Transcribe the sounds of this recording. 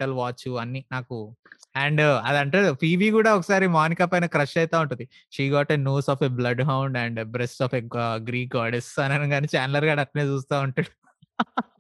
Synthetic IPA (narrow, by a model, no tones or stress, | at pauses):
ʈɐlʋaːt͡ʃuɐnːinaːkuɛɳɖɐd̪ɐɳʈeːɽupʰiːʋiːkuːɽaːɔkɐ̥saːɾimaːnikaːpɐjnɐkɾɐʂʈɐjt̪aːuɳʈ̬und̪i | ʃiːɡaːʈeːnoːsɔːfeblɐɖɦɐwɳɖɐɳɖbɾesʈɔːfeɡɡɾiːk̚ɡaːɾɖesɐnɐnɐŋɡaːnit͡ʃaːnlɐɾɡaːɖɐt̪ːɐneːt͡ʃuːst̪aːuɳʈuɽu